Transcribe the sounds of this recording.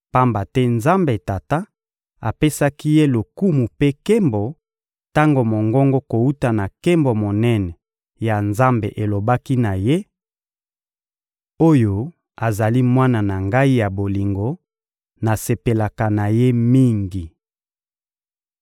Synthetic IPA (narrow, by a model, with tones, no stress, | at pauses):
pa˦mba˨tɛ˦nza˦mbe˨ta˨ta˦ | a˨pe˦sa˦ki˦je˦lo˨ku˦mu˨pe˦ke˦mbo˨ | ta˦ŋɡo˨mo˨ŋɡɔ˦ŋɡo˦ko˨u˦ta˨na˨ke˦mbo˨mo˨nɛ˦nɛ˨ | ja˨nza˦mbḛ˨ʔe˨lo˨ba˦ki˦na˨je˦ | o˦jo˨ | a˨za˨li˦mwa˦na˨na˨ŋɡa˦i˦ja˨bo˨li˨ŋɡo˨ | na˨se˨pe˨la˨ka˨na˨je˦mi˦ŋɡi˨